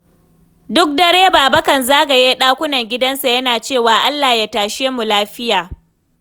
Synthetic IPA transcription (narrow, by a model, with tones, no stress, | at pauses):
dʊ˦k̚dɐ˦ɽeː˦baː˨bɐ˦kɐ˨nzaː˦ɡa˨jeː˦ɗaː˦kʷʊ˦nɐ˨ŋɡʲɪ˦dɐ˦nsa˨jɐ˦naː˨t͡ʃeː˦˨waː˨ʔa˦lːa˨ja˦taː˨ʃeː˦mu˨laː˦ɸɪ˦jaː˨